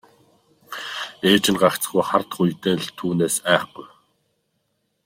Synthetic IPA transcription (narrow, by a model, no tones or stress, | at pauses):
eːt͡ɕɪ̆nɢakt͡s̆χujχart̪χujt̪eːɮt̪ʰuːneːsæːχɡuj